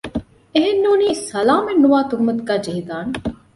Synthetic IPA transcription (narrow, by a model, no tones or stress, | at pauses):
eɦenːoːniːsɐlaːmenːuʋaːt̪uɦmɐt̪kaːd͡ʒeɦid̪aːn